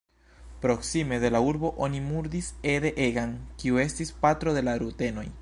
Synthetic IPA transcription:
pɾo̞ksime̞de̞lauɾbo̞ʔo̞nimuɾd̪ise̞de̞ʔeɡankiue̞stispatɾo̞de̞laɾute̞no̞j

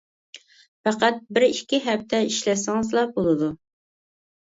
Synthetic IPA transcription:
fæqæt̪̚bɪɾikʲːiɦɛpt̪ʰɛiʃlɛsɪŋɨzlˠɑbolˠɨd̪u

